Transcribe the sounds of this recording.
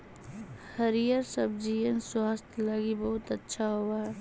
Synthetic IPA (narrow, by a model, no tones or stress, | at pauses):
həɾijəɾsəb̚d͡ʒijənswaːst̪ʰləɡibɐɦʊt̪ɐtːʃʰaɦoaɦɛ